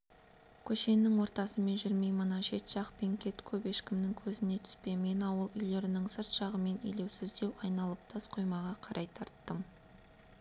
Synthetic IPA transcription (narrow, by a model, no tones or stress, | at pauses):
kʲʰɵʃe̞nːɪŋwo̞ɾt̪ɑsəme̞nʒɪɾmejmənɑnʃe̞t̪ʒ̥ɑqpe̞ŋkʲʰe̞t̪kʲʰɵpe̞ʃkʲɪmnɪŋkʲʰɵzɪne̞t̪ʰʏ̥spe̞me̞nɑwəlˠʏjle̞ɾɪnɪŋsəɾt̪ʃɑʁəme̞nḭjle̞wsɪzd̪e̞wɑjnɑlˠəp̚t̪ʰɑsqʰo̞jmɑʁɑqʰɑɾʔɑjt̪ʰɑɾt̪ːəm